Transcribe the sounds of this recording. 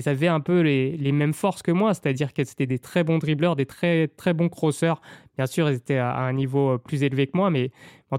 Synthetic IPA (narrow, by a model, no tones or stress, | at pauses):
lzavɛɛ̃pølelemɛmfɔʁskəmwase̥t̪ad̪iʁkəse̥t̪ɛd̪et̪χɛbɔ̃d̪ʁiblœʁd̪et̪χɛt̪χɛbɔ̃kχosœʁb̥jɛ̃syʁɛlzet̪ɛaa̰ɛ̃nivoplyzelvekəmwamɛ | ɑ̃t̪